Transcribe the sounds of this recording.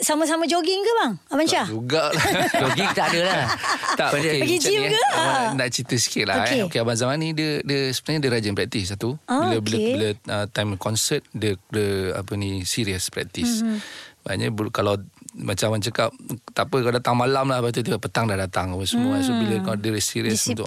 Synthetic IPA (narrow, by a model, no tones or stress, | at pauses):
samas̬amad͡ʒoɡɪŋkəbaŋabanad͡ʒuɡaʔlad͡ʒoɡiŋt̪aadəlat̪aʔkeəɡid͡ʒikəanaʔt͡ʃit̪əsi̥kɪt̪̚la̰ɛeokeabanzamanidədəsə̥bənaɲədəɾad͡ʒənpɾɛk̚t̪is̬at̪ubiləbiləbiləət̪amkɔnsət̪̚dədəa̰pənĩsiɾiəspɾɛ̰k̚t̪isbaa̰ɲəbkalawmat͡ʃamant͡ʃəkap̚t̪apəkaldat̪aŋmalamlahbat̪ut̪̬ibaʔpət̪aŋdahdat̪aŋapəsəmũasobiləkdəəsiɾiəsut̪ʊ